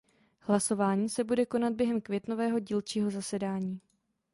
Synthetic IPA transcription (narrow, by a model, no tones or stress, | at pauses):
hlaso̞vaːɲiːsɛbudɛko̞nad̪̚bjɛɦɛmkvjɛt̪no̞vɛːɦo̞ɟiːlt͡ʃiːɦo̞zasɛdaːɲiː